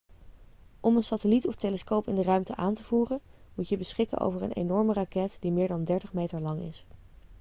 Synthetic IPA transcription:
ʔɔmənsatəlitɔftejləskowpɪndərœɥmtəʔaːntəv̥uːrənmutjəbəsχɪkə̰nʔo̰wvəɹə̰nʔḛjnɔɹmərakɛtd̥imɪːɹdɑndɛɹtəχmejtəɹlɑŋɪ̰s

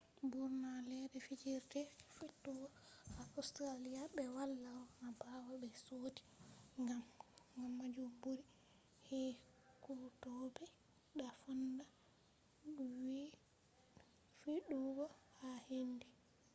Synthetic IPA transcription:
buɾnalɛdɛfid͡ʒiɾtɛfiɗuɡɔhaʔɔstɾalijaɓɛwalːawɔmabawabɛsoti̥ŋɡamŋɡamːad͡ʒumbuɾi | hɛ | kutɔbɛ | ɗafɔnda | wi | fiɗuɡɔhahendi

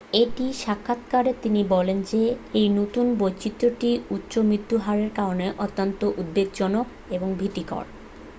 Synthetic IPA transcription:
eʈiʃakʰːat̪kaɾet̪inibɔlend͡ʑeejnot̪unbojt͡ɕit̪ːɾoʈiutːɕomɾit̪ːuɦaɾeɾkaɾoneʔɔt̪ːont̪oʔud̪̚beɡ̚d͡ʑɔno | eboŋbʱit̪ikɔ̰ɽ

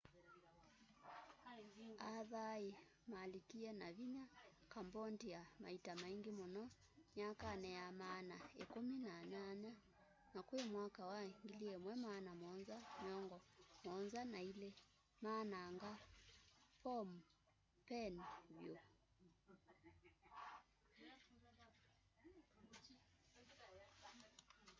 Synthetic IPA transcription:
aðai | malikianaβiɲa | kambɔntijama̰itamaiŋɡimɔnɔ | ɲakanɛjamaːnaekuminaɲaɲa | nakuɛmwakawaiŋɡiliɛmwɛmaːnamɔnzamjɔŋɡɔmɔnzanailɛ | maːnaːŋɡa | pɔm | pɛnβjo

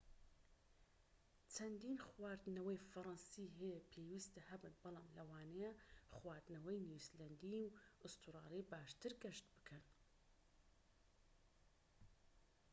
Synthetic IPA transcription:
t͡ʃʰɐnd̪iːnxwaːɾd̪ɨnɐwɐjfɐɾˤɑnsiɦɛjɛpʰeːwiːst̪ɐhɐbɨnbɨlˠɑːmlɐwaːnɛjaχwaːɾd̪nɐwɐjnjuːslɐnd̪iwɨst̪uɾɑːlˠijbaːʃt̪ɨɾɡɐʃt̪bɨ̥kʰɐn

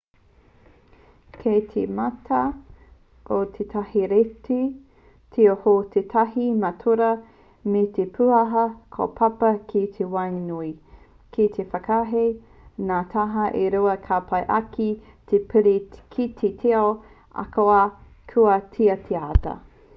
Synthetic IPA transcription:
kʰejt̪ʰematʰɐ | ʔot̪ʰet̪ʰahiɾeti | tʰeohot̪ʰetʰɐɦimɐtʰoɾɐ | metepʰuɐɦɐkʰo̰pʰɐpɐkʰit̪ʰewajnui | kʰit̪ʰefɐkaɦe | naːt̪ʰaɦɐʔeɾuɐkʰapʰɐjʔɐkʰi | t̪ʰepʰeɾikʰit̪ʰetʰeo | ʔɐ̰koa | kʰuɐtʰiɐt̪ʰeaːtɐ̰

